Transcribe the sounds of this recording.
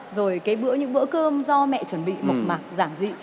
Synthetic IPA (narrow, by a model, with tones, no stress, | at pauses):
zo˨˩jkaː˨˦jɓɨ̰˧˥əɲɨ̰˧˥ŋɓɨ̰˧˥kəː˧mzɔ˧mɛ̰˧˨t͡ɕə˧˩nɓḭ˧˨mo˨˩t̚maː˨˩k̚zaː˧˩ŋzḭ˧˨